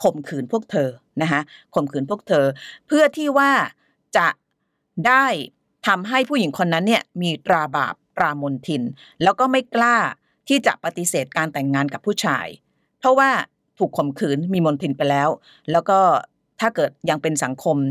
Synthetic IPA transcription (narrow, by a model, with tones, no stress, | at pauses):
kʰo˨˩mkʰɯː˨˩˦npʰu˥˩ək̚t̪ʰɤː˧ | na˦˥kʰa˦˥ʔkʰo˨˩mkʰɯː˩˦npʰu˥˩ək̚t̪ʰɤː˧pʰɯ˥˩ət̪ʰiː˥˩waː˥˩ | t͡ɕa˨˩ | daː˥˩j | t̪ʰa˧mɦa˥˩jpʰu˥˩ji˩˦ŋkʰo˧nːa˦˥nːi˥˩ɐmiː˧t̪ɾaː˧ba̰ː˨˩p̚t̪ɾaː˧mo˧nt̪ʰi˧n | lɛː˦˥wkɔː˥˩ma˥˩jklaː˥˩ | t̪ʰiː˥˩t͡ɕa̰˨˩ʔpa˧t̪i˧seː˨˩t̪̚kaː˧nt̪ɛ˨˩ŋːaː˧nka˨˩pʰːuː˥˩t͡ɕʰa̰ː˧j | pʰɔ˦˥waː˥˩ | t̪ʰuː˨˩kʰːo˨˩mkʰɯː˩˦nmiː˧mo˧nt̪ʰi˧npa˧jlɛː˦˥w | lɛː˦˥wkɔː˥˩ | t̪ʰaː˥˩kɤː˨˩t̪̚ja˧ŋpe˧nsa˩˦ŋkʰo˧m